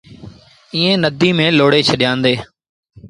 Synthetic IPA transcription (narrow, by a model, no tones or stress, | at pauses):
iːẽːnəd̪ʱiːmẽːloːɽeːt͡ʃʰəɗɪjãːnd̪eː